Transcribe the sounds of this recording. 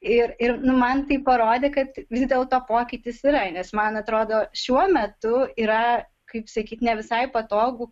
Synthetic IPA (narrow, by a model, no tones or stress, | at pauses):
ɪɾɪɾnʊmɐnt̪ɐɪpɐɾoːd̪ʲeːkɐt̪ʋʲɪzd̪ʲeːlˠt̪oːpoːkʲɪt̪ʲɪsɪɾɐnʲɛsmɐnɐt̪ɾoːd̪oːʃʲuɔmʲɛt̪ʊiːɾɐ | kɐɪpsɐkʲiːt̪nʲɛʋʲɪsɐɪpɐt̪oːɡuː